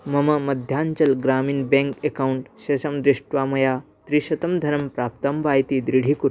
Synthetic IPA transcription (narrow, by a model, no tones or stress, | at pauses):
mɐmɐmɐd̪ʱjaɲt͡ɕɐlɡɾaːmiːnbẽŋkekawɳʈɕesɐmd̪ɾiʂʈʋamɐja | t̪ɾiɕɐt̪ɐmd̪ʱɐɾɐmpɾap̚t̪ɐmʋaːjt̪id̪ɾiɽ̤ʱiːkuɾ